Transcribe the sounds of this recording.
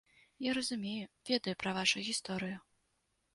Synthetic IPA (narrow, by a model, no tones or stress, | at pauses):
jaɾɐzumʲejuvʲɛd̪ɐjupɾɐvaʂujɣʲist̪ɔɾɨju